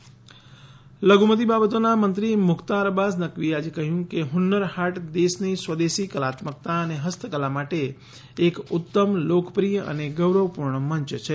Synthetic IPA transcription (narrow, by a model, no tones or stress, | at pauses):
ləɡumət̪̬ibabət̪onamənt̪ɾimʊkʰt̪aɾəbasnəkʋiead͡ʒekəɦjũkeɦʊnːəɾhaʈd̪esnisʋəd̪esikəlat̪mək̚t̪aəneɦəst̪ʰəkəlamaʈeː | kʊt̪ːəmlokpɾijəʔə̰neɡəʋɾəʋpuɾɳəməɲt͡ʃət͡ʃʰe